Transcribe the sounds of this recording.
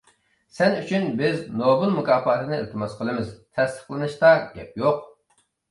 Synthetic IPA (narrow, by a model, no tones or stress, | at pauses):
sɛnyt͡ʃʰynbɪznobɨlˠmukɑːpɑːt̪ʰɨnɨḭlt̪ʰɨmɑsqʰəlˠɨmɪzt̪ʰɛst̪ʰə̥χlˠɨnɨʃt̪ɑɡ̥ʲɛp̚joq